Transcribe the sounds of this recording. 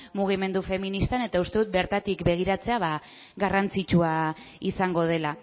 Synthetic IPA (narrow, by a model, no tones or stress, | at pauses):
muɣ̞ime̞nd̪ufe̞minist̪ane̞t̪aust̪e̞ðut̪̚be̞ɾt̪at̪ikbe̞ɣ̞iɾat͡se̞aβa | ɣarant͡sit͡ʃua | isaŋɡo̞ð̞e̞la